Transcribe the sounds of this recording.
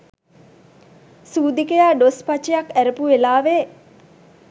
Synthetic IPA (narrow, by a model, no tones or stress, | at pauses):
suːd̪ikejaːɖospat͡ʃejakæɾəpuelaːʋe